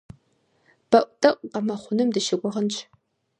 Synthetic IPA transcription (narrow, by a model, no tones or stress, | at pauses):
b̥ɐʔʷtʼɐʔʷʼqɐmɐχʷʊnɨmdɨʃɪɡʷʊʁənt͡ʃʰʼ